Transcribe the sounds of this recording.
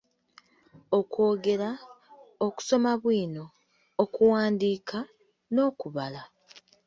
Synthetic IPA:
o̞ko̞ːɡe̞ɾa | oku̥so̞maβwiːno̞ː | kuwaːndiːkʰa | no̞ːkuβala

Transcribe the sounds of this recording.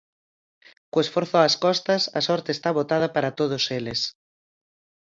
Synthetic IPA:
kʊesfoɾθoaskɔst̪ɐsɐ̰sɔɾt̪eːst̪aβot̪að̞apaɾat̪oð̞oseles

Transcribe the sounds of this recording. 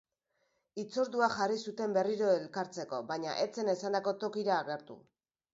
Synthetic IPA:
it͡so̞ɾðuaʝarisut̪e̞mbe̞riɾo̞e̞lkaɾt͡se̞ko̞βaɲa̰ʔe̞t͡se̞ne̞sand̪ako̞t̪o̞kiɾaːɣe̞ɾt̪ṵ

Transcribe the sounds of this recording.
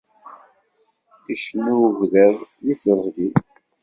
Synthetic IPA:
iʃnːuʝðəðjiθəzˤɡi

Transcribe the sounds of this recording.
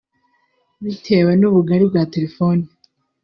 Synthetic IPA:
βitʰe̞ːwenuβuɡaɾibɡaːte̞ɾefo̞ni

